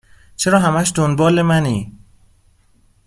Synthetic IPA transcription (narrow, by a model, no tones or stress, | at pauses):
t͡ʃʰe̞ɾɒːɦæmæʃd̪onbɒːle̞mæniː